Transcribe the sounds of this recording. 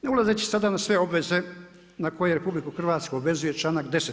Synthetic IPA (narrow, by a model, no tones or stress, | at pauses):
neulazet͡ɕe̥sad̪anasʋe̞o̞bʋe̞ze̞ | nako̞jeɾepublikuxrʋaːt̪skuobʋe̞zuje̞t͡ʃlaːnakd̪e̞se